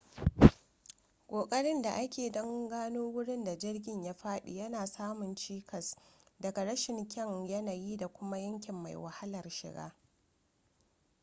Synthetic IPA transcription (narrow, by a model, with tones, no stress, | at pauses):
kʷʼoː˨kʼɐ˦ɽɪ˦nda˨ʔa˦kʲeː˨dɐ˦ŋɡaː˦noː˦wʊ˦ɽɪ˦nda˨d͡ʒɪ˦rɡʲɪ˨ɲjaː˦ɸaː˦ɗṵ˨jɐ˦naː˨saː˦mʊ˨nt͡ʃiː˦kɐ˨sdɐ˨ɡa˨ɽɐ˦ʃɪ˨ŋkʲɛ˦ŋjɐ˦na˨jiː˦da˨kʷʊ˦ma˦jɐ˦ŋkʲɪ˨mːa̰˨jwa̰˨ha˦lɐ˨rʃɪ̰˨ɡa̰ː˦